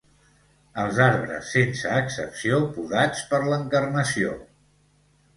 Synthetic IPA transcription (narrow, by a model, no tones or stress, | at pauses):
əlˠzaɾβɾə̰sːensəːksə̰psiopuðat͡spəɾləŋkərnəsio̰